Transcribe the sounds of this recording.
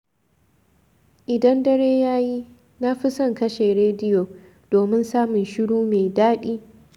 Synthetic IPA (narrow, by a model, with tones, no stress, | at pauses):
ʔɪ˨dɐ˦ndɐ˦ɽeː˦jaː˦ji˦ | na˦ɸɪ˦sɐ˦˨ŋkɐ˦ʃeː˨ɾeː˦dɪ˦jo˨ | d̥oː˨mɪ˦nsaː˦mʊ˨nʃɪ˦ɽuː˦meː˨daː˦ɗiː˦